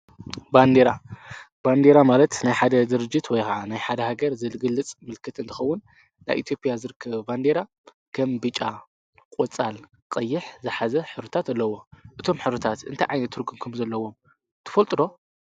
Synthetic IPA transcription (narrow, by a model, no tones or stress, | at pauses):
band̪eɾa | b̥and̪eɾamalɐt̪najħad̪ɐd̪ɨɾɨd͡ʒːɪt̪wɔjkaʕanajħad̪ɐhaɡɐɾzɨlɡɨlːɨt͡sʼmɨlkʰɨt̪ɨnt̪ʰɨ̥xɐwːʊn | na̰jʔit̪jo̞pʼijazɨɾɨkʰːɐβband̪eɾa | kʰɐmbɨt͡ʃʼa | kʼot͡sʼal | qʼɐjːɪħzɨħazɐħɨɾɨt̪ʰat̪alːɐwo̞ʔɨt̪ʰo̞mħɨβɾɨt̪ʰat̪ɨ̰nt̪ʰajʕajnɐt̪ʰːɨɾɡɨmkʰumzɐlːɐwo̞m | t̪ʰɨ̥fɐlt̪ʼɾo̞